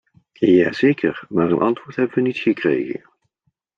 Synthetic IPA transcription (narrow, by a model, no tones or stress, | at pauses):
jaːzejkʰəɹmaːɹənʔɑntʋʊːɹtɦɛbənʋənitχəkrḛjχə̰n